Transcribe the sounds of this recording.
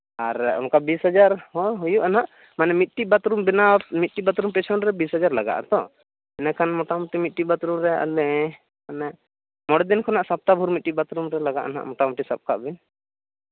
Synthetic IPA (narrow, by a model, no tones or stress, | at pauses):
aɾṵnkabisɦad͡ʒaɾɦɔ̃ɦujuʔanaʔ | manɛmit̪̚ʈibat̪ɾumbɛnamit̪̚ʈibat̪ɾumpɛsʰɔɳɾɛbisɦad͡ʒaɾlaɡa̰ʔa̰t̪ɔ̰ | ɛnakʰanmɔʈamuʈimit̪̚ʈːibat̪ɾumɾɛa̰lɛ | manɛʔ | mɔɽɛd̪inkʰɔnaʔsap̚t̪abʱuɾmit̪̚ʈibat̪ɾumɾɛlaɡa̰ʔa̰na̰ʔmɔʈamuʈisap̚kʰa̰ʔbin